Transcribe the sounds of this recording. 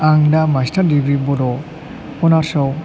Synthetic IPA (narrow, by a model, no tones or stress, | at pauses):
aŋdamastaɾdibɾibɔdɔ | pɔnaɾsɔw